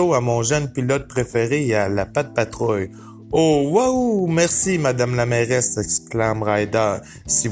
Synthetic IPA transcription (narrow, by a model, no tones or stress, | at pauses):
oamɔ̃ʒœnpilɔt̪̚pʁefeʁealapat̪̚pat̪ʁɔj | owawmɛʁsimad̪amlamɛʁɛsɛksklamʁajd̪aʁ | si